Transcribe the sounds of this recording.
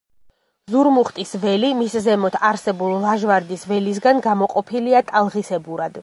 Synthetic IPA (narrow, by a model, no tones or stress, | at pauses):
zuɾmuχt̪ʼisvɛlimiszɛmɔt̪ʰaɾsɛbulˠlaʒvaɾd̪isvɛlis̬ɡanɡamɔqʼɔpʰiliat̪ʼalˠʁisɛbuɾad̪̥